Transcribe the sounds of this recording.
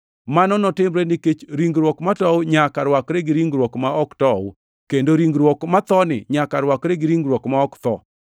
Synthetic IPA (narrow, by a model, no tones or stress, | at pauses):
manɔnɔtɪmɾenɪket͡ʃɾiŋɡɾwɔkmatɔwɲakaɾwakɾeɡɪɾiŋɡɾwɔkmaɔktɔ | kendoɾiŋɡɾwɔkmat̪ɔnɪ̰ɲakaɾwakɾeɡɪɾiŋɡɾwɔkmaɔkt̪ɔ̰